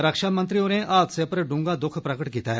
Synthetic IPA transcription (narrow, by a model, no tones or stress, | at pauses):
ɾəkʃaːmɐ̃nt̪ɾijõneʔaːt̪sepəɾɖʊ̃ːŋɡad̪ʊkʰpɾɐkəʈkiːt̪aɦɛ